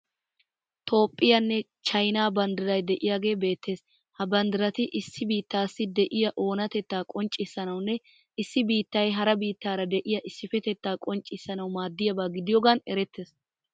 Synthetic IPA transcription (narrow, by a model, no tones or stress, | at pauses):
t̪ʰo̞ːpʼːɪjɐnːɛ | t͡ʃɐjnaːbɐnd̪ɪɾɐjd̪ɛʔɪjaːɡe̞ːbe̞ːt̪ʰːe̞ːs | hɐbɐnd̪ɪɾɐt̪ɪʔɪsːɪbiːt̪ːaːsːɪd̪ɛʔɪjɐʔo̞ːnɐt̪ɛt̪ːaːkʼɔnt͡ʃʼːɪsːɐnɐwnːɛ | ɪsːɪbiːt̪ːɐjɦɐɾɐbiːt̪ːaːɾɐd̪ɛʔɪjɐʔɪsːɪfɛt̪ɛt̪ːaːkʼɔnt͡ʃʼːɪsːɐnɐwmaːd̪ːɪjɐbaːɡɪd̪ɪjɔɡɐnɛ̰ɾɛt̪ʰːeːs